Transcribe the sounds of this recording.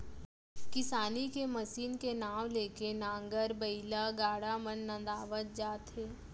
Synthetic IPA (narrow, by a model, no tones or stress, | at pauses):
kɪsaːnikemɐsiːnkenaːwleːkenãːŋɡəɾbəɪlaɡaːɽamənːə̃nd̪aːʋət̪̚d͡ʒaːt̪ɦeː